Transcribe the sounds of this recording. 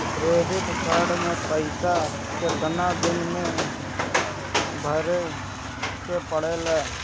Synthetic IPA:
ɾeːd̪ɪt̪kʰaːɽmẽpəɪsa | ket̪ənad̪ɪnmẽ | bʱəɾe | kepəɽ̤elɛː

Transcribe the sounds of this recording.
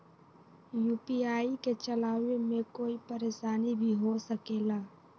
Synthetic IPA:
juːpiaːiket͡ʃɐlaːwemẽkoːipɐɾeːʃaːnibʱiɦosəkeːɡaː

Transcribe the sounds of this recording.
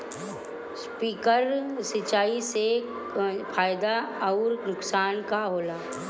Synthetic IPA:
spiːkəɾsɪt͡ʃaːise | pʰaːjd̪aɔʊɾnʊksaːnkaɦoːlaː

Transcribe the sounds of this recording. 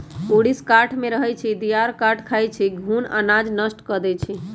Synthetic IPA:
oɽiskaɾʈʰmeɾəɦɛt͡ʃʰid̪ijaɾkaʈʰkʰajt͡ʃʰiɡʱuna̰nad͡ʒnəsʈkəd̪ɛt͡ʃʰi

